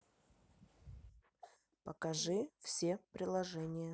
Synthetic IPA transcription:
pəkɐʐɨfsʲepɾʲɪlˠɐʐɛnʲɪjə

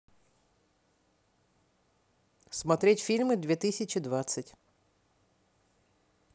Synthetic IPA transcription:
smɔt̪ɾʲitʲfʲilʲmɪd̪ʲʋʲit̪ɪsʲɐt͡ʃid̪ʋat̪sʲːɐtʲ

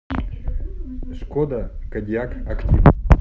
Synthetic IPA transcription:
ʂkod̪ɐkɐd̪ʲjakɐktʲi

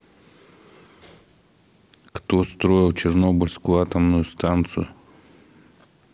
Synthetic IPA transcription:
kt̪ost̪ɾo̞ɪlˠt͡ɕɪrno̞bəlʲskʊjʊat̪əmnʊjʊst̪ant̪sɨjʊ̰

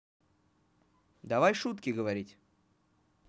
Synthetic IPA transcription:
d̪ɐvajʂut̪kʲɪɡəvɐɾʲitʲ

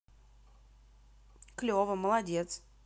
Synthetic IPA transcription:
klʲovəməlˠadʲet̪s

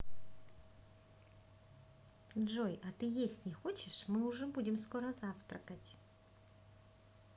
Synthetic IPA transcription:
dʐojɐt̪ɨjesʲtʲnʲɪxot͡ɕɪʂmɨʊʐɛbudʲɪmskoɾəzaft̪ɾəkətʲ

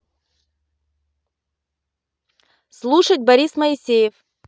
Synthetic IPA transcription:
slˠuʂət̚ʲbɐɾʲisməɪsʲejɪf

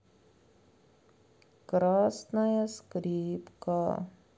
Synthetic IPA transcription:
kɾaːsnɐjɐskɾiːpka

